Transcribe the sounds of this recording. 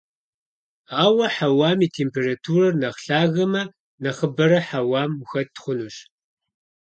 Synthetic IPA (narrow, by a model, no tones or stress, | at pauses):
aːwɐħawaːmiːtʰeːmpʰeːratʰuːrɐrnɐχɬaːɣɐmɐ | nɐχəbɐɾɐħawaːmxɐttχʷʊnuɕ